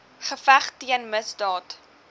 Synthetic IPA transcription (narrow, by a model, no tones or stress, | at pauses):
χəfæχtiənməsdɑːt